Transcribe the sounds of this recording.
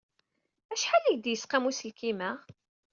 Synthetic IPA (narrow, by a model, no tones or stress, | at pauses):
æʃħaliʝd̪jəsqamusəlkimæ